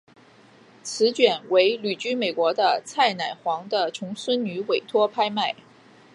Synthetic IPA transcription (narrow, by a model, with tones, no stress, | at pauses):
t͡sʰɹ̩˧˥t͡ɕɥɛ˨˩nwe˧˥ɪly˨˩t͡ɕy˥me˨˩ɪkwɔ˧˥d̪ə˧t͡sʰa˥˩ɪna˨˩ɪxwɑ˧˥ŋd̪ə˧ʈ͡ʂʰʊ˧˥ŋswə˥nny˧˥we˨˩ɪt̪ʰwɔ˥pʰa˥ɪma˥˩ɪ